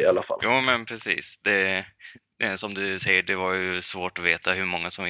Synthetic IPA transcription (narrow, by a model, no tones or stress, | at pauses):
alːafa̰ljʔuːmɛnpʰɾɛsḭːsd̪̥ɛ | ɛsɔmd̪ɵsɛjːəɖɛvaɾjɵsvoːʈɔveːt̪aɦɵɾmɔŋːasɔm